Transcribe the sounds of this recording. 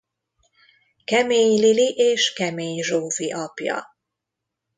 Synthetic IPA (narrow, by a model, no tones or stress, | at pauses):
kɛmeːɲliliʔeːʃkɛmeːɲʒoːziʔɒpjɒ̰